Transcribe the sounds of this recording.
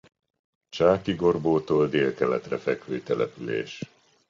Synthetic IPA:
t͡ʃaːkiɡo̞rboːt̪oːld̪eːlkɛlɛt̪rɛfɛkhøːit̪ɛlʔɛ̰pylḛːʃ

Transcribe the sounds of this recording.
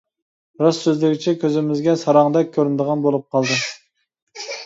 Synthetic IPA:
ɾɑsːøzlɪɡʲɪt͡ʃʰɛkʲʰøzɪmɪzɡʲɛsɑɾɑŋd̪ɛk̚ʲʰːøɾynd̪əʁɑnbolˠup̚qʰɑlˠd̪ɨ

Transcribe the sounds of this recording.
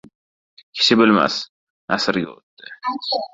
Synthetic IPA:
kʲʰɪ̥ʃʰɪbɪlma̰s | asɪɾɡʲao̰t̪ːɪ

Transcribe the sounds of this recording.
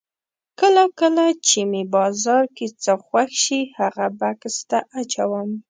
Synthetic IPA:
kəlakəlat͡ʃemebɑzɑɾket͡səxwaxʃihaɣabakst̪aʔat͡ʃawəm

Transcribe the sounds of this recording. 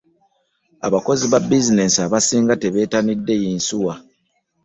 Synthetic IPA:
a̰βako̞ziβabːizine̞siaβasiːŋɡate̞βe̞ːtanidːe̞jiːnsuwa

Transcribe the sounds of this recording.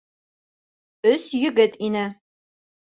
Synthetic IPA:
ɵsjɵ̆ɡɘt̪inɘ

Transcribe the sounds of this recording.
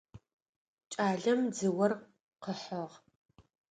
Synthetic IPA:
t͡ʃʼaːɮɐmd͡zɨwɐr | qəħəʁ

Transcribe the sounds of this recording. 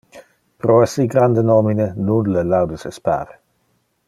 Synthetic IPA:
pɾoɛsiɡɾand̪ənɔminenunləlawd̪əsespa̰ːɾ

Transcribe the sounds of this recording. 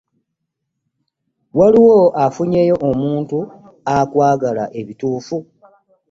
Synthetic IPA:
waliwo̞ʔafuɲe̞jo̞ʔomuːntu | akwaːɡalaʔe̞βituːfu

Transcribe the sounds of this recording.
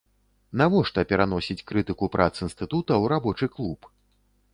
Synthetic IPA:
navɔʂt̪ɐpʲɛɾanɔsʲit͡sʲkɾɨt̪ɨkupɾʔat̪sɨinst̪ɨt̪ut̪ɐwɾabɔt͡ʂɨklˠup

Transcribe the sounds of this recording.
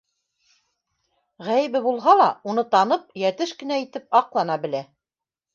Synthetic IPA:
ʁæjɘ̆βɘbulˠɦɑlˠɑunɤt̪ɑnɤp̚jæt̪ɘʃkɘ̆næit̪ɘp̚ɑqlˠɑnɑbɘ̆læ

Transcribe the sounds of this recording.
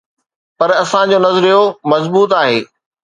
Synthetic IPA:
pɐɾɐsãd͡ʑoːnɐzəɾijomɐzbuːt̪aːɦḛː

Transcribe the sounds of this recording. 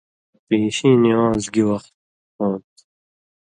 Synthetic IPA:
peːʃiːniɑːzɡiwɐχt̪̚ | õːnt̪

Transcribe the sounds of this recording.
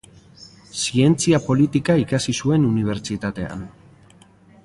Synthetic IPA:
sie̞nt͡siapo̞lit̪ikaikasisue̞nuniβ̞e̞ɾt͡ʃit̪at̪e̞a̰n

